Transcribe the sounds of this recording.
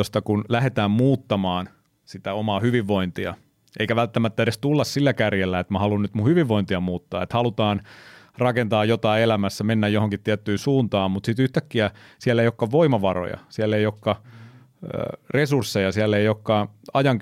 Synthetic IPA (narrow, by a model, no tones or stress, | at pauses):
ost̪ɑkunlæhet̪æːmmuːt̪ːɑmɑːn | sit̪æomɑːhyʋiʋːo̞int̪iɑ̰ | eikæʋælt̪ːæmæt̪ːæeɾest̪ulːɑssilːækærjelːæet̪mæhɑlunnyt̪muhyʋiʋːoint̪iɑmuːt̪ːɑːet̪hɑlut̪ɑːn | rɑkent̪ɑːjjot̪ɑːelæmæsːæmenːæjjohoŋkit̪t̪ːiæt̪ːyːnsuːnt̪ɑːmmut̪sit̪yht̪ækːiæsiælːeijokːɑʋʋoimɑʋɑro̰jɑ̰siælːeiokːɑ̰ | resursːejɑsiælːejokːɑɑjɑŋ